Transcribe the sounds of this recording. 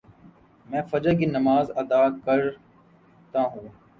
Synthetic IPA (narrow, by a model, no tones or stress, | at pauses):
mɛ̃ːfəd͡ʒək̬inəmaːzəd̪aːkəɾ | t̪aɦũː